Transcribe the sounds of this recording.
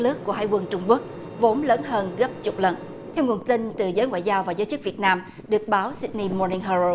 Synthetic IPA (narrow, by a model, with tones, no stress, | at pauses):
lɨ˦˥əkːu˧˩əɦaː˧jkwə˧˩nt͡ɕʊ˧ŋ͡mku˦˥ək̚ | vo˨˦nləː˨˦nɦəː˧nɣə˦˥p̚t͡ɕʊ˨˩k͡p̚lə˨˩n | t̪ʰɛ˧wŋu˨˩ənt̪i˧nt̪ɨ˨˩zəː˨˦jŋwa̰ː˧˨jzaː˧wvaː˨˩zəː˨˦jt͡ɕɨ˦˥k̚vi˨˩ət̚naː˧m | ɗɨ˨˩ək̚ɓaː˨˦wsi˦˥t̚ni˧mɔ˧ni˧ŋɦə˧o˧